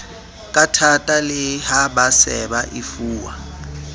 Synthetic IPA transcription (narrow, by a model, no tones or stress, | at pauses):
kʼatʰatʼalɪhabasɛ̰baʔɪfuːwa̰